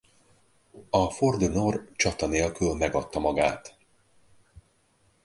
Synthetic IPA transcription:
ɒford̪ønort͡ʃɒt̪ɒneːlkylmɛɡɒt̪ːɒmɒɡaːt̪

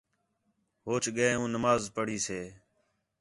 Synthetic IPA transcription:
ɦoːt͡ʃɠəeːũːnəmaːzpəɽ̤iːseː

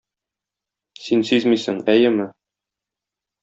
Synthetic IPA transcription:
sinsyzmisɘŋæjɘmɘ

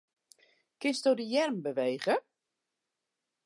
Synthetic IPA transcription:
kɪnsdodijɛrmbəʋejːɣə

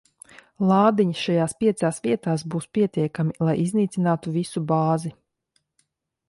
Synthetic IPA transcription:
lˠɑːd̪iɲisʃajaːspʲiɛt̪saːsviɛt̪aːsbuːspʲiɛt̪iɛkamilˠajizniːt̪sinaːt̪uvisubaːzi

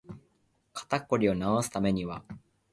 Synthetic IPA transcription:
kḁt̪akːo̞ɾʲio̞naosɨ̥t̪ame̞ɲ̟iβa

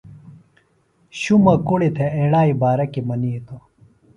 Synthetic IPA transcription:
ɕumɐkuɽit̪ʰeeːɽaːibaːɾɐkimɐniːt̪o

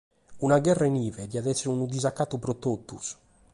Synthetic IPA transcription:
unaɡɛrːainiːvɛd̪iad̪ɛsːɛɾunud̪izakːat̪ːupɾɔt̪ːot̪ːṵs

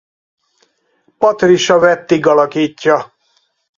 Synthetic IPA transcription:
pɒt̪riʃɒvɛt̪ːiɡɒlɒkiːcːɒ

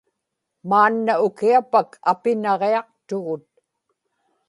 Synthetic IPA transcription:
maːnːaʊkiapakʰapɪnɑʁeɑq̚t̪ʊɣʊt̪̚

